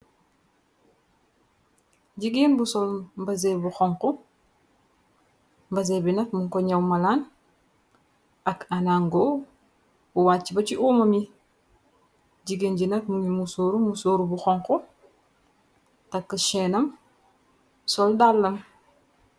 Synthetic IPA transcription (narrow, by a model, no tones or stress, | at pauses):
ɟiɡinbusɔlmbɐz̬ebuxɔŋku | mbɐz̬ebinɐtmuŋkoɲɐwmalaːn | akanaŋɡo | uwaːt͡ʃːibɐt͡ʃiʔuːmɐmi | ɟiɡinɟinɐtmuɲimusoːɾumusoːɾubuxɔŋku | tɐkːəʃeːnɐm | sɔldalːɐm